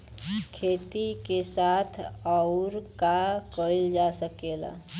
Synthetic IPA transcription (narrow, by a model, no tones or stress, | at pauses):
kʰet̪ikesat̪ʰəʊɾkakəild͡ʒasəkela̰